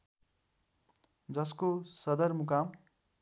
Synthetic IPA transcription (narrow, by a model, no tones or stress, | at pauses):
d͡zʌskosʌd̪ʌrmukam